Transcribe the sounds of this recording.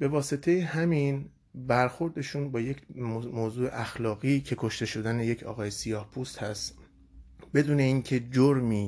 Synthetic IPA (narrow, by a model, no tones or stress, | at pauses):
b̥e̞vɒːse̞t̪ʰe̞jehæmiːn | bæɾxo̞ɾd̪e̞ʃuːnbɒːjecʰmoːzuːḛʔæxlɒːɣiːcʰe̞kʰo̞ʃt̪e̞ʃo̞d̪æne̞je̞cʰɒ̰ːɣɒːjesijɒːhpʰuːst̪hæst̪ | be̞d̪uːne̞iːncʰe̞d͡ʒoɾmiː